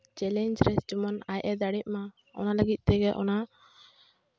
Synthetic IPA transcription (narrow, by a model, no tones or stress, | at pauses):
t͡ʃɛlɛɲd͡ʒɾɛst͡ʃɔmɔnajʔɛd̪aɽit̪̚ˀma | ɔ̰naləɡit̪̚ˀt̪ɛɡɛʔɔ̰na